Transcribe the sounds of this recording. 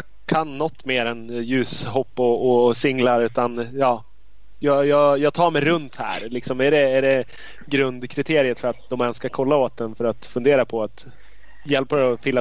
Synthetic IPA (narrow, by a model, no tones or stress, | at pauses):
j | kʰanːɔt̪ːmeːɾɛnjʉ̟ːsɦɔpːɔɔsɪŋːlaɾʉ̟ːt̪anjɑː | jɑjɑːjɑːɡt̪ʰɑːɾmɛjɾɵnt̪hæ̰ːɾlɪksɔmæɖɛːɖɛ | ɡɾɵnd̪kʰɾɪt̪ʰeːɾɪət̪fœɾat̪̚d̪ɔmɛnskakʰɔlːaoːt̪̚d̪ɛnfœɾat̪fɵnd̪eːɾapʰɔat̪ | jɛlpaɔfɪlːa